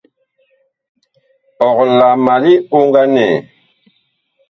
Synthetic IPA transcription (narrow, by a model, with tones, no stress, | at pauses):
ɔ˨kla˨ma˨li˦u˦ŋɡa˦nɛ˨